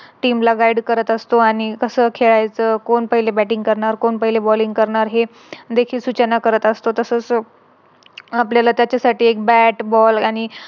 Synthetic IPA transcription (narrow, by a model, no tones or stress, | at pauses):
ʈiːmlaɡajɽkəɾət̪əst̪oañikəsəːkʰeɭajt͡səkoɳpəɦilebæʈĩŋɡkəɾɳaɾkoɳpəɦilebɔliŋɡ̚kəɾɳaɾɦe | d̪ekʰiːlsut͡ɕənakəɾət̪əst̪ot̪əsəːt͡s | apljalat̪jat͡ɕjasaʈiːek̚bæʈbɔlaɽ̃i